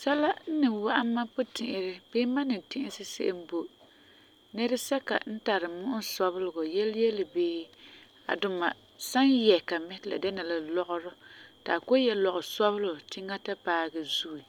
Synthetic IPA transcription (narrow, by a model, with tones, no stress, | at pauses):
sa˦la˦n̩˦nɪ˨wa˦ʔa˦mːa˦pʊ˦tɪ˨ʔɪ˨ɾɪ˦b̥ɪː˦ma˦nɪ˨tɪ̃˦ʔɪ˦sɪ˦sɪ̰˦ʔɪ˦mbo˦ | nɛ˦ɾɪ˦sɛ˦ka̰˨n̩˦ta˨ɾɨ˨mʊ˦ʔʊ˦nsɔ˦bʊ˦lʊ˨ɡɔ˨jɛ˦ljɛ˦lɪ˨beː˦ | a̰˨dʊ˨ma˨ | sa˦njɛ˨ka˨mɛ˦hla̰˨dɛ˦na˨la˨lɔ˦ʔʊ˦ɾʊ˦ta̰˨ko˦jɛ˦lɔ˨ɣʊ˨sɔ˦bʊ˦lʊ˨ʊ˨tɪ˦ŋa˦ta˦paː˦ɡɛ˨zu˦i˨